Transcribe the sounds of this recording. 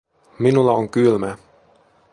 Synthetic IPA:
minulːɑoŋkylmæ

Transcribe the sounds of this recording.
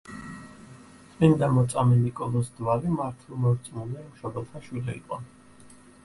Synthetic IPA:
t̪sʼind̪amɔt̪sʼamɛnikʼɔlˠɔsd̪waɾimaɾt̪ʰvɛlˠmɔɾt̪sʼmulɛimʃɔbalˠt̪ʰaʃwilɛḭqʼɔ

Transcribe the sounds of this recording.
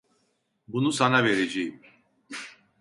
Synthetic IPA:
bunusanaveɾed͡ʒejim

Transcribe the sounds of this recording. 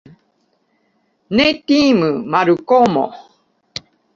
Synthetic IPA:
net̪imɯmaɾukomõ̰

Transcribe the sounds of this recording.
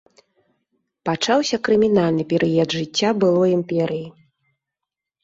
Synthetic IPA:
pat͡ʂawsʲɐkɾɨmʲinalʲnɨpʲɛɾɨjɐd̪ʐɨt͡sʲːabɨlˠɔjimpʲɛɾɨji

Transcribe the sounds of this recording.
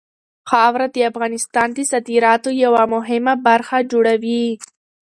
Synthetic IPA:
xɑwɾad̪əafɣɑnɪst̪ɑnd̪əsat̪iɾɑt̪ojawamʊɦɪmabaɾxad͡ʒoɽawi

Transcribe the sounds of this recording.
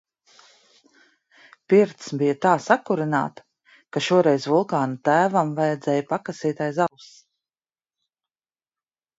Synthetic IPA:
piɾt̪sbijat̪aːsakuɾina̰ːt̪ | kaʃuɔɾɛjsvulˠkaːnat̪æːvamvajad̪zɛːjpakasiːt̪ajzalws

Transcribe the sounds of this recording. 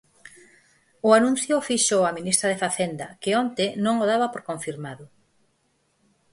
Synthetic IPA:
ʊanũn̟θjʊfiʃoaminist̪ɾaðefaθend̪ɐkɪont̪enõŋoðaβɐpoɾkoɱfiɾmaðʊ

